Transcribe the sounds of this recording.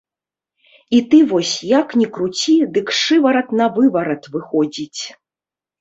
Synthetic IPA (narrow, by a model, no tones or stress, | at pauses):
it̪ɨvɔsʲjaknʲikɾut͡sʲid̪ɨkʂɨvɐɾɐt̪nɐvɨvɐɾɐt̪vɨxɔd͡zʲit͡sʲ